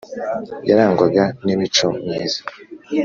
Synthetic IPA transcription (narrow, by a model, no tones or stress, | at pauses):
jaɾaːŋɡoɡanimit͡ʃomjiːzḁ